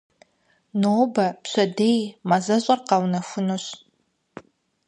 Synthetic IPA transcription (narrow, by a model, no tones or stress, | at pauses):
noːbapʰɕʷadejmazaɕʷʼarqawnafʷʊnoɕ